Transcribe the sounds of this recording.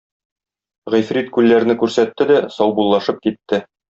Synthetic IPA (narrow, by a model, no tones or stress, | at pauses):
ʁijfɾʲit̪kʉlːæɾnɘkʉɾsæt̪ːɘd̪æsɒwbulˠːɑʃɤp̚kit̪ːɘ